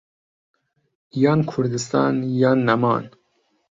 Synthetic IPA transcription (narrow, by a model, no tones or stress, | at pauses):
jɑːnkʰuɾd̪ist̪ɑ̰ːnjɑːnːamɑ̰ːn